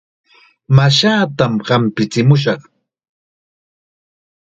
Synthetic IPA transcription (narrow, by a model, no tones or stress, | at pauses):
maʃaːt̪amɢɑmpɪt͡sɪmʊʃ̬ɑχ